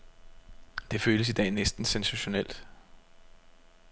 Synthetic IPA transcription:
d̥e̝føːləsid̥ɛ̰ːnesd̥n̩sensæɕo̝nel̰d̥

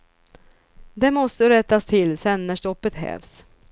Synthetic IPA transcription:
d̪ɛmɔst̪əɾɛt̪ːast̪ʰɪlsɛnːæʂʈɔpːət̪ɦɛ̰ːvs

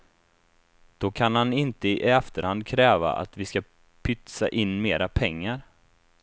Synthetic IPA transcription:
d̪̥ɔkʰanhanɪnt̪əɪʔaft̪əɾhand̪̚kʰɾɛːva̰ʔa̰t̪vɪska | pʰʏt̪sa̰ʔɪnːmeːɾʔapʰɛŋːaɾ

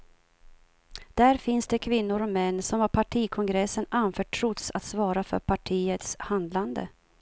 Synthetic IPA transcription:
d̪̥æɾfɪnsd̪ɛkʰvɪnːʊɾɔmɛnːsɔmvaɾpʰaʈʰiːkʰɔŋɡɾɛsːənanfœːʈʰɾʊt̪sat̪svɑːɾafœ̰ɾpʰaʈʰiːət̪shand̪land̪ə̰

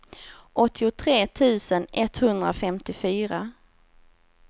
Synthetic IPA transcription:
ʔɔt̪ʰːɪʊt̪ʰɾeːt̪ʰʉ̟ːsənɛt̪hɵnd̪ɾa̰fɛmt̪ɪfyːɾa

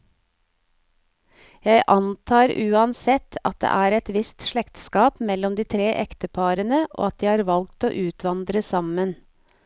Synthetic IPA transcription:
jæɪʔɑnt̪ʰɑːɾʉːɑnsɛt̪ʰɑ̰t̪̚d̪ḛːʔæːɾɛt̪ʋɪst̪ʃɭɛkt̪skɑːpmɛlɔmd̪iːt̪ʰɾeːʔɛkt̪əpʰɑːɾənəʔo̰ːɑt̪̚d̪iːhɑːɾʋɑlɡ̚t̪o̰ːʔʉːt̪ʰʋɑnd̪ɾəsɑmən

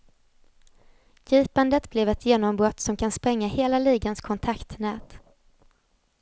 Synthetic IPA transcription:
jiːpand̪ət̪blɛvɛt̪jeːnɔmbɾɔt̪ːsɔmkʰanspɾɛŋːaheːlaliːɡənskʰɔnt̪ʰakt̪nɛːt̪

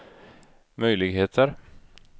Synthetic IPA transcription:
mœjlɪɡɦeːt̪ʰəɾ

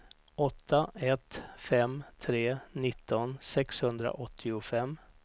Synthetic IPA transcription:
ɔt̪ʰːaɛt̪fɛmt̪ʰɾeːnɪt̪ʰːɔnsɛkshɵnd̪ɾa̰ʔɔt̪ʰːɪʊfɛmː

